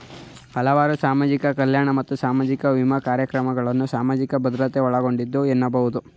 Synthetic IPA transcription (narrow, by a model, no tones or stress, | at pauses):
hɐlɐʋaːɾusaːmaːd͡ʒikɐkɐljaːɳɐmɐt̪ːusaːmaːd͡ʒikɐʋimɐkaːɾjɐkɾɐmɐɡɐɭɐnːusaːmaːd͡ʒikɐbɐd̪ɾɐt̪eɔɭɐɡo̞ɳɖid̪ːuenːɐbɐɦud̪u